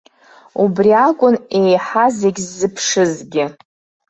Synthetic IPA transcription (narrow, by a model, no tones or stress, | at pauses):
ubriakʷʼʊne̞jħazeɡʲzːɨpʰʂɨzɡʲɪ